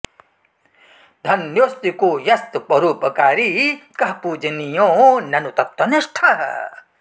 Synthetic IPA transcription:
d̪ʱɐnjost̪ikojɐst̪pɐɾuːpɐkaːɾikɐɦpuːd͡ʒɐnijõnɐnut̪ɐt̪ːwɐneʂʈʰɐ

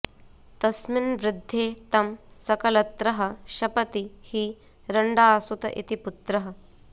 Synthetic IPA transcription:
t̪ɐsminʋɾɪd̪ʱːeːt̪ɐmsɐkɐlɐt̪ɾɐɦɐʃɐpɐt̪ihiː | ɾɐɳɖaːsut̪ɐ̰ʔḭt̪iput̪ɾɐɦɐ̆

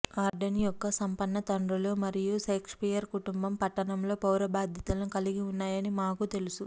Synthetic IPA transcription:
aːɾɖɐnijɔkːɐsɐmpɐnːɐt̪ɐɳɖɾulo̞ːmɐɾijusɐːkʂpijɐɾkuʈumbɐmpɐʈːɐɳɐmlo̞ːpɐwɾɐbaːd̪ʱjɐt̪ɐlɐnukɐliɡiunːaːjɐnimaːkut̪e̞lusu

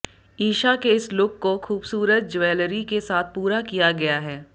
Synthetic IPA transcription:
iːʃakeɪslʊkːoxuːbsuːɾət̪̚d͡ʒʋɛːləɾikesaːt̪̚ʰpuːɾakijaɡɐjaɦɛː

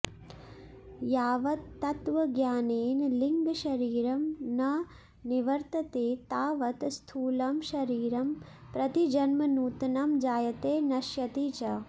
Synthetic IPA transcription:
jaːʋɐt̪ːɐt̪ʋɐɡjaːneːnliŋɡʃɐɾiːɾɐmnɐ | niʋɐɾt̪ɐt̪eːt̪aːʋɐt̪st̪ʰuːlɐmʃɐɾiːɾɐm | pɾɐt̪id͡ʒɐnmɐnuːt̪nɐmd͡ʒaːjɐt̪eːnɐʃjɐt̪iːt͡ʃɐ

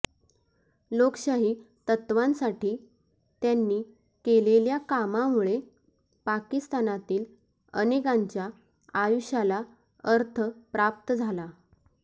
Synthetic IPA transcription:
lokɕaɦiː | t̪ət̪ʋãnsaʈiː | t̪janːiː | keleljakamamuɭe | pakist̪anat̪iːl | ənekaɲt͡ɕja | ajuɕala | əɾt̪ʰəpɾap̚t̪əd͡zʱala

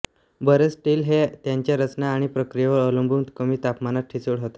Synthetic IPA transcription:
bəɾet͡sʈiːlɦet̪jaɲt͡ɕjaɾət͡snaːɽ̃ipɾəkɾijeʋəɾələ̃mbʱunt̪kəmiːt̪apmanat̪̚ʈʰit͡səɽɦot̪e̥

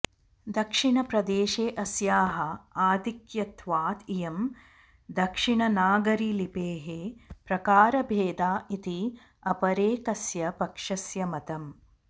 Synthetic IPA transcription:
d̪ɐkʂiɳɐpɾɐd̪eːʃeːʔɐsjaːɦɐaːd̪ikjɐt̪ʰʋaːt̪ijɐm | d̪ɐkʂiɳɐnaːɡɐɾilipeːɦepɾɐkaːɾɐbʱeːd̪aːit̪i | ɐpɐɾeːkɐsjɐpɐkʂɐsjɐmɐt̪ɐm

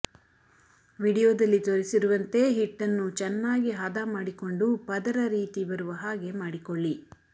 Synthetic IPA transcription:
ʋiːɽijoːd̪ɐlːit̪oɾisiɾuʋɐnt̪e̞ɦiʈːɐnːut͡ʃɛnːaːɡiɦɐd̪amaːɽiko̞ɳɖupɐd̪ɐɾɐɾiːt̪ibɐɾuʋɐɦaːɡe̞maːɽikoɭːi

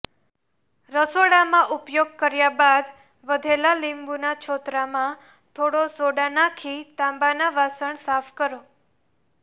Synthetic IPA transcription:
ɾəsoɽamãʔupjoɡ̚kəɾjabad̪ | ʋəd̪ʱelalimbunat͡ʃʰot̪ɾamã | t̪ʰoɽosoɽanakʰit̪ãmbanaʋasəɳsafʰkəɾo

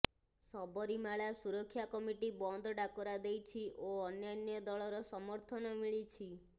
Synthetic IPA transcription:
sɔbɔɾimaɭasuɾɔkʰːjakɔmiʈibɔnd̪ʱɖakɔɾad̪ejt͡ʃʰiʔoɔnjanjɔd̪ɔɭɔɾɔsɔmɔɾt̪ʰɔnɔmiɭit͡ʃʰi

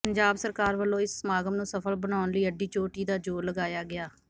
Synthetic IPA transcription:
pəɲd͡ʒaːbsəɾkaːɾʋəlːõːɪsːmaːɡəmnũːsəpʰəlbənaːnləiːəɖːiːt͡ʃoːʈiːd̪aːd͡ʒoːləɡaːjaːɡɪaː

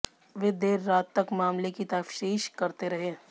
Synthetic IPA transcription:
ʋed̪eːɾːaːt̪ːɐkmaːmlekit̪ɐfʃiːʃkɐɾt̪eɾɐɦeː

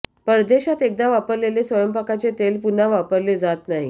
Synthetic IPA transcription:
pəɾd̪eɕat̪ek̚d̪aʋapəɾlelesʋəjəmpakat͡set̪elpunaʋapəɾled͡zat̪naɦḭ

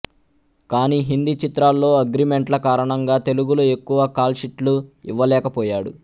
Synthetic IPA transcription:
kaːniːɦind̪it͡ʃit̪ɾaːlːo̞ːɐɡɾime̞ɳʈlɐkaːɾɐɳɐŋɡaːt̪e̞luɡuluekːuʋɐkaːlʃiʈluiʋːɐlɛːkɐpɔːjaːɽṵ

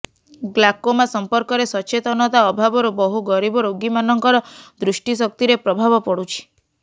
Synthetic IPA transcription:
ɡlakomasɔmpɔɾkɔɾesɔt͡ʃet̪ɔnɔt̪aɔbʱabɔɾubɔɦuɡɔɾibɔɾoɡimanɔŋkɔɾɔd̪ɾuʃʈisɔk̚t̪iɾepɾɔbʱabɔpɔɽut͡ʃʰi̥

